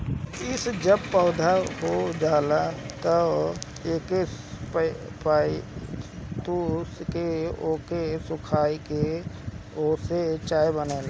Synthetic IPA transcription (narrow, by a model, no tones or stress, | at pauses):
ɪsd͡ʒəb̚pəʊd̪ʱaɦod͡ʒaːlat̪ə | eːkep | pa | t̪uskeoːkesʊkʰaːike | oːset͡ʃaːibəneːla